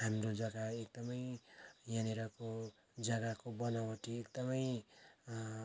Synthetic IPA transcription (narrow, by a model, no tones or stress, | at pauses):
ɦamrod͡zʌɡaekd̪ʌmʌjjaneɾʌko | d͡zʌɡakobʌnawʌʈiekd̪ʌmʌj